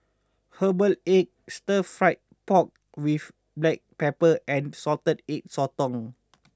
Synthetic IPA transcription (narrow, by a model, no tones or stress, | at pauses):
həbəlek̚stəfɹaɪt̚pɔk̚ | wif | blɛk̚pɛpəɛ̃nsɔltədek̚sɔtɔ̃ŋ